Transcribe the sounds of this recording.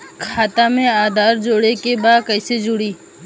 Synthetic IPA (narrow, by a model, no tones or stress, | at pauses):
kʰaːt̪amẽaːd̪ʱaːɾd͡ʒoːɽekebaːd̪̚kɐɪsed͡ʒʊɽiː